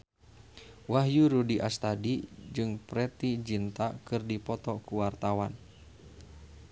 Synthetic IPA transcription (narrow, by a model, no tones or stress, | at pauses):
waɦjuɾudiʔast̪adid͡ʒɨŋpɾɛt̪id͡ʒint̪akɨrdipɔt̪ɔkuwart̪awan